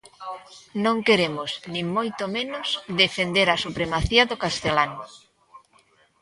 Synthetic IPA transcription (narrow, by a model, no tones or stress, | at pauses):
nõŋkeɾemʊznĩŋmojt̪omenʊsðefend̪eɾasupɾemaθiaðokast̪elanʊ